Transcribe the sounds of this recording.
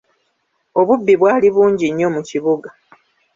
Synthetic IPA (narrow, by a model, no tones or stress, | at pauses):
o̞βubːiβwaːliβuːɲɟiɲːo̞muciβuɡa